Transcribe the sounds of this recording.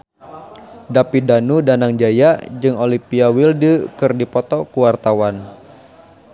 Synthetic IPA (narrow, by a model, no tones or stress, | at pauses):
dapidanudanaŋd͡ʒajad͡ʒɨŋolipiawildəkɨrdipɔt̪ɔkuwart̪awan